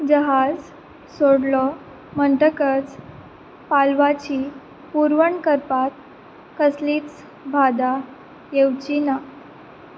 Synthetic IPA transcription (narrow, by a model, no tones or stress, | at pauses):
d͡ʑəɦad͡z | soɽlɔ | məɳʈəkət͡s | palʋat͡ɕiː | puɾʋəɳkəɾpat̪̚ | kəsliːt͡s | bʱad̪a | jewt͡ɕina